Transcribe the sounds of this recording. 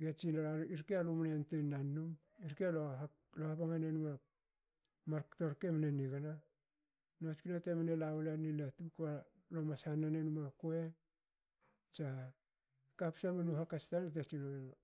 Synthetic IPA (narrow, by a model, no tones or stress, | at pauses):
ɡat͡ʃinaaiɾkealumaneantenːanːum | iɾkealo | lohapaŋanenuma | maɾkto̞ɾke̞maneniɡana | not͡ʃkinatemanelawulanilatuka | lomasanːanenumakoe | t͡ʃa | kapsamenuɦakastantet͡ʃinoe